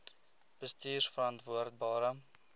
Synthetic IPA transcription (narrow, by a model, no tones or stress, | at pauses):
b̥əstiːrsfəɾɐntvuərt̚bɑːɾə